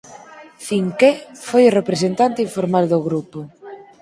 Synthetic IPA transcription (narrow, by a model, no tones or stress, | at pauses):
θiŋkefojorepɾesent̪ant̪iɱfoɾmald̪oɣɾupo